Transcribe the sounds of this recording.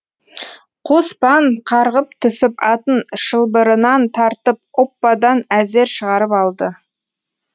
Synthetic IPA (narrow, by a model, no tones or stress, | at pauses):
qʰospɑɴqʰɑɾʁəp̚t̪ʰʏsɪpɑt̪ənʃəlˠbəɾənɑnt̪ʰɑɾt̪əp̚opːɑd̪ɑnæze̞ɾʃəʁɑɾəpɑlˠd̪ə